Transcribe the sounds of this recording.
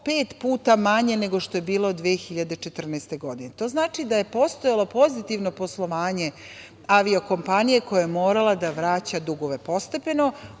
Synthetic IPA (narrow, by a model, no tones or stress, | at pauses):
pe̞ːt̪puːt̪amaɲe̞ne̞ɡo̞ʃt̪oje̞biːlo̞d̪ʋiexiʎad̪e̞t͡ʃe̞t̪r̩nɛst̪e̞ɡo̞d̪inet̪o̞ːznaːt͡ʃid̪aje̞po̞st̪o̞jalˠo̞po̞zit̪iʋno̞po̞slˠo̞ʋaːɲe̞ | aʋioko̞mpanije̞ko̞jajemo̞ːɾalˠad̪aʋɾaːt͡ɕad̪uɡo̞ʋe̞po̞st̪e̞pe̞no̞